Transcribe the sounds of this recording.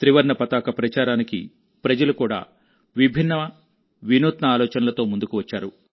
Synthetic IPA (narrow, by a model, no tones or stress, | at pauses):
t̪ɾiʋɐɾɳɐpɐt̪aːkɐpɾɐt͡ʃaːɾaːnikḭ | pɾɐd͡ʒɐlukuːɽa̰ː | ʋibʱinːɐ | ʋinuːt̪nɐaːlɔːt͡ʃɐnɐlɐt̪o̞ːmund̪ukuʋɐt͡ʃːaːɾu